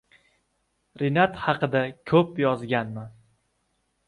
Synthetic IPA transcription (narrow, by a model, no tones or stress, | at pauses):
ɾɪnat̪hɑqɨd̪akʲʰɵpjɒzɡʲanman